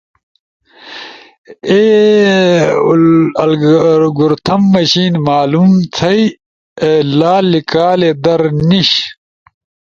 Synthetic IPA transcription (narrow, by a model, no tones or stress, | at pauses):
eː | ɐlɡuɾt̪ʰɐmːɐɕiːnmaːlumt͡sʰɐj | elaːlikaːled̪ɐɾniɕ